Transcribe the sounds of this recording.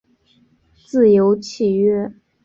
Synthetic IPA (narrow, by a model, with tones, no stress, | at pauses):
t͡sɹ̩˥˩jo˧˥ʊt͡ɕʰi˥˩ɥɛ˥˩